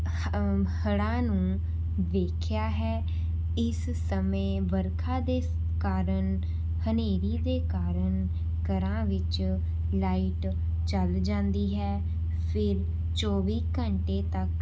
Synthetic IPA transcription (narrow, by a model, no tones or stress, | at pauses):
həɽãːnũː | ʋeːkʰjaːɦɛː | ɪs | səmẽːʋəɾkʰãːd̪eː | kaːɾəɳ | həneːɾiːd̪eːkaːɾən | kəɾãːʋɪt͡ʃ | laːiʈ | t͡ʃəld͡ʒãːnd̪iːɦɛː | pʰɪɾ | t͡ʃoːʋiːkəɳʈeːt̪ək